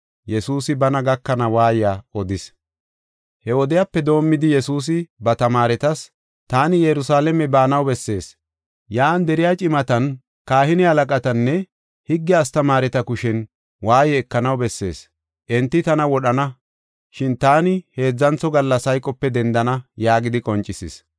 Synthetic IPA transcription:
jɛsuːsɪbɐnɐɡɐkːɐnɐwaːjɪjaːɔd̪ɪs | hɛɔd̪ɛjapːɛd̪o̞ːmːɪd̪ɪjɛsuːs̬ɪbɐt̪ɐmaːɾɛt̪ɐs | t̪aːnɪjɛɾʊsaːlɛmɛbaːnɐwbɛsːe̞ːs | jaːnd̪ɛɾɪjat͡ʃʼɪmɐt̪ɐn | kaːhɪnɪhɐlɐkʼɐt̪ɐnːɛ | hɪɡːɛːst̪ɐmaːɾɛt̪ɐkʊʃɛn | waːjɛːkːɐnɐwbɛsːe̞̰ːs | ʔɛnt̪ːɪt̪ɐnɐwɔɗɐnɐ | ʃɪnt̪aːnɪhe̞ːd͡zːɐnt͡sːɔɡɐlːɐsɐjkʼːɔpːɛd̪ɛnd̪ɐnɐjaːɡɪd̪ɪkʼɔnt͡ʃʼːɪsɪs

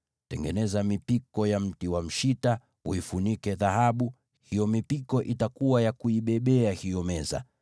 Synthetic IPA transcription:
tɛ̰ŋɡɛ̰nɛzamipikɔjam̩tiwam̩ʃita | uifunikɛðahaɓu | hijɔmipikɔʔitakuwajakuiɓɛɓɛahijɔmɛza̰

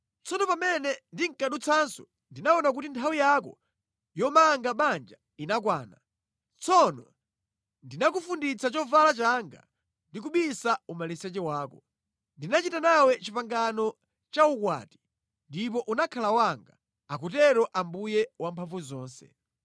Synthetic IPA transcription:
t͡sɔnɔpamɛnɛndiŋkaɗut͡sʰansɔ | ndinaɔnak̬utintʰawijakɔ̰ | jɔmaŋɡaɓand͡ʒa | inak̬waːna̰ | t͡sɔnɔ | ndinakufundit͡sat͡ʃɔvalat͡ʃaŋɡa̰ | ndikuɓisaumalisɛt͡ʃɛwaːkɔ | ndinat͡ʃitanawɛt͡ʃipaŋɡanɔ | t͡ʃaukwa̰ːti̥ | ndip̬ɔʔunakʰalawaŋɡa | akutɛɾɔʔambujɛwampʰaɱvuzɔːnsɛ̰

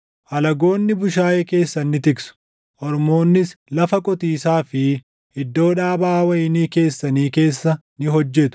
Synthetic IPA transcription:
ʔɐlɐɡo̞ːnːɪbʊʃaːjeke̞ːsːɐnːɪt̪ɪksʊ̥ | ʔɔɾmo̞ːnːɪslɐfɐkʼɔt̪iːsaːfɪ | ɪd̪ːo̞ːᶑaːbaːwɐjɪniːke̞ːsːɐniːke̞ːsːɐ | nɪɦɔd͡ʒːɛt̪ʊ̥

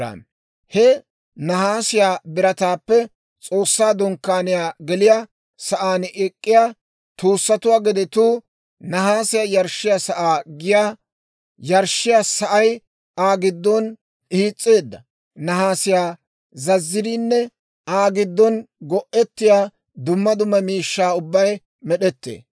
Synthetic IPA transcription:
a̰ | hɛ | nɐhaːsɪjaːbɪɾɐt̪aːpːɛ | t͡sʼo̞ːsːaːd̪ɔŋkːaːnɪjaːɡɛlɪja | sɐʔaːnɛkʼːɪjaː | t̪uːsːɐt̪ʊwaːɡɪd̪ɛt̪uː | nɐɦaːsɪjaːjɐɾʃːɪjasɐʔaːɡɪjaː | jɐɾʃɪjasɐʔɐj | aːɡɪd̪ːɔn | iːt͡sʼːe̞ːd̪ːɐ | nɐɦaːsɪjaː | zɐzːɪɾiːnːɛ | aːɡɪd̪ːɔnɡɔʔɛt̪ːɪjaː | d̪ʊmːɐd̪ʊmːɐmiːʃːaːʊbːɐj | mɛɗɛt̪ːḛː

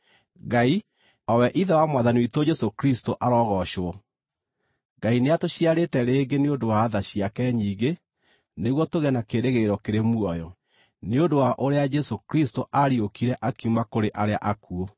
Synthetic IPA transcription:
ɡai | ɔwɛʔiðɛwamwaðaniwitod͡ʒɛsokɾistoʔaɾɔɣɔʃoɔ | ɡaineatoɕiaɾetɛɾeːɡeneondowaːðaɕiakɛɲiːɣe | neɣwɔtoɣɛnakeɾeɣeɾɔkeɾemwɔjɔ | neondowaʔoɾead͡ʒɛsokɾistoʔaɾiokiɾɛʔakiumakoɾeʔaɾeaʔakuo

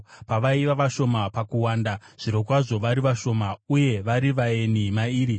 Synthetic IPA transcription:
paʋaiʋaʋaʃo̞mapakuwaːndaʐ̥iɾo̞k̬waʐo̞ʋaɾiʋaʃo̞mauje̞ʋaɾiʋae̞nimaiːɾi

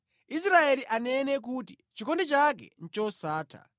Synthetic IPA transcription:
is̬ɾaeliʔanɛnɛk̬uti | t͡ʃikɔndɛt͡ʃak̬ɛ̰n̩t͡ʃɔsaːtʰa̰

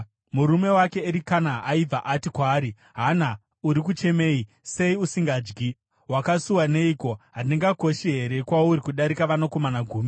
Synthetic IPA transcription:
muɾume̞wake̞ːɾikanaaib͡vʱaʔatikwaːɾi | ɦana | uɾik̬ut͡ʃe̞me̞ːi | se̞iusiŋɡaːd͡ʒɡi | ɦwakasuwane̞iko̞ɦaneŋɡako̞ʃiɦe̞ɾe̞kwauɾikuɗaɾikaʋanoko̞manaɡʱuːmi

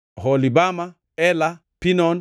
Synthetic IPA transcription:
hɔlibama | ɛla | pinɔn

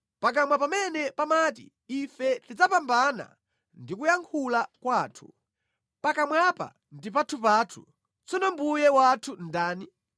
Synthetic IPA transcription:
pak̬amwapamɛnɛpamat̬ḭː | fɛtid͡zapambana̰ | ndikujaŋkʰulakwaːtʰu̥ | pakamwapa̰ | ndip̬atʰup̬aːtʰṵ | t͡sɔnɔmbujɛwatʰundaːni

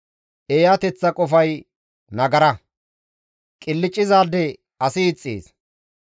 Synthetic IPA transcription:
ʔeːjat̪ɛt͡sːɐkʼɔfɐj | nɐɡɐɾɐ | kʼɪlːɪt͡ʃʼːɪzaːd̪ɛ | ɐsɪːt͡sʼːḛːs

